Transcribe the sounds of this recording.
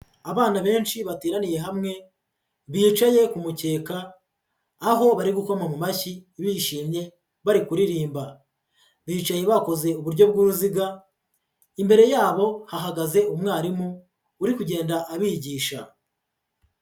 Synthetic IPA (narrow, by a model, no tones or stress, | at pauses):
aβaːnaβe̞ːnʃiβatiːɾanije̞ɦamŋe̞ | βiːt͡ʃaje̞kumuce̞ːkaː | ɦo̞βaɾiɡuko̞mamumaçiβiːʃiːmɲe̞ | βaɾikuɾiɾiːmba | βiːt͡ʃaje̞βako̞ze̞uβuɾɟo̞b̚ɡuːɾuziɡa | imbe̞ɾe̞jaːβo̞haɦaɡaze̞ʔumŋaːɾimuː | ɾikuɟe̞ːndaʔaβiːɟiːʃa